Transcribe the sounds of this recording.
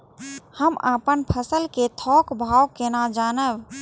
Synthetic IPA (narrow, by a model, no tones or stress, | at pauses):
həma̰pənpʰəsəlket̪ʰɔkbʱawkenad͡ʒaːnəb